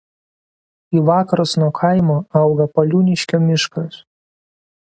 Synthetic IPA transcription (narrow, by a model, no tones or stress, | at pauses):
iːʋɑːkɐɾɐsnuɔkʰɐɪmoːɐʊɡɐpɐlʲuːnʲɪʃʲkʲoːmʲɪʃkɐs